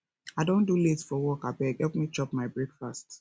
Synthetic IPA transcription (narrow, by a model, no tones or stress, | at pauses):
aɪdõnduletfɔwɔkabɛɡhɛlpmit͡ʃɔpmaɪbɹɛkfast